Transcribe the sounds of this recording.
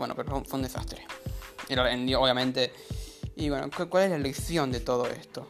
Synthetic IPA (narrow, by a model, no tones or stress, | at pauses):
wenopeɾofefweund̪esa̰st̪ɾeeɾaenoβjamẽnt̪e | iweno̰kakwaleslaeleksjo̞nd̪e̞t̪o̞ðoḛst̪o